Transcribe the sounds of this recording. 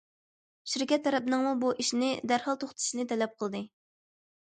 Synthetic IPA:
ʃiɾkʲɛt̪ʰːɛɾɛpnɨŋmubuʔiʃnɪd̪æɾhɑlˠt̪ʰoχt̪ʰɨ̥ʃinɨt̪ʰɛlɛp̚qʰəlˠd̪ɨ

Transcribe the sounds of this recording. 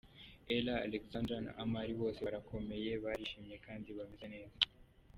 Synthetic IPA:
ela̰ːlekzãndɾana̰ʔamaɾiβo̞ːseɾakʰo̞meje̞βaɾiʃimɲekaːnziβamizaneːza

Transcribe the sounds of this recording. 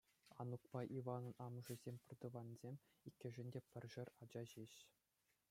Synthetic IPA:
ɑ̰nukpɑʔiʋɑnɤ̆nɑmɤ̆ʐɘ̆zʲemʲpʲɘ̆rd̪ɤ̆ʋɑnzʲemʲ | ikʲːɘ̆ʐɘ̆nʲdʲepʲɘ̆rʲʐɘ̆rʲɑd͡ʑɑʑeɕ

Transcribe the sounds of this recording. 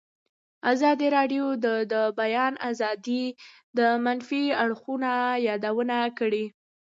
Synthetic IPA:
azɑd̪iɾɑɖjod̪əd̪əbajɑnazɑd̪i | d̪əmanfiaɽxunajɑd̪awənakəɽi

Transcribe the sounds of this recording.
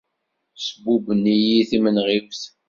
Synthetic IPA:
səbubənːijiθimənʁivθ

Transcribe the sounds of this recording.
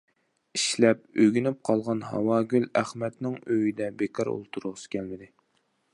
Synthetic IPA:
iʃlɛp̚øɡʲynyp̚qʰɑlˠʁɑnɦɑ̰wɑːɡʲylæχmɛt̪nɪŋøjid̪ɛbekʰɑɾo̰lˠt̪ʰuɾʊʁəsɨ̥kʲʰɛlmɪd̪ɪ

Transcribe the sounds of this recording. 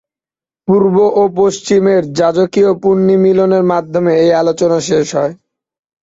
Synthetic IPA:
puɾboʔop̬oʃt͡ɕimeɾd͡ʑad͡ʑokiopunːimiloneɾmad̪ʱːomeejalot͡ɕonaʃeʃɦɔe

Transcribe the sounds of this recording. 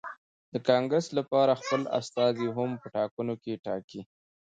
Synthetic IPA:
d̪əkɑŋɡɾəslapɑɾaxpəla̰st̪ɑziɦampəʈɑkunokeʈɑki

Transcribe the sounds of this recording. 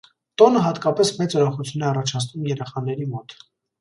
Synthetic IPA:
t̪ɔnəɦɑt̪kɑpɛsmɛt͡sɔɾɔχut͡sʰjunɛɑrɑt͡ʃʰɑt͡sʰnumjɛɾɛχɑnɛɾimɔt̪

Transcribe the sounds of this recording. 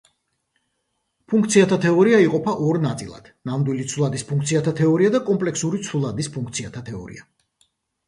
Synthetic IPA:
pʰuŋkt̪sʰiat̪ʰat̪ʰɛɔɾiaiqʼɔpʰaʔɔɾnat̪sʼilˠa̰d̪̥namd̪wilit̪sʰulˠad̪ispʰuŋk̚ʰt̪sʰiat̪ʰat̪ʰɛɔɾiad̪akʼɔmpʼlɛksuɾit̪sʰulˠad̪ispʰuŋkʰt̪sʰiat̪ʰat̪ʰɛɔ̰ɾḭa

